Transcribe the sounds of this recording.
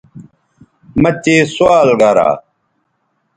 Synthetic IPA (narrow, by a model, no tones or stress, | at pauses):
mɐt͡ɕeːsuaːlɡaːɾa̰ː